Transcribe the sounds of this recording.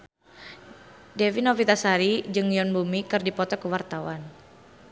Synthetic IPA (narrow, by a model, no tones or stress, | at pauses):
dɛvinɔfit̪asaɾid͡ʒɨŋjɔnbumikɨrdipɔt̪ɔkuwart̪awan